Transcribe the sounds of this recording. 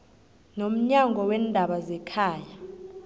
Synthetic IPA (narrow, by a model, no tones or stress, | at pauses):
nom̩ɲaŋɡʱɔwɛndʱaɓazɛkʰaːja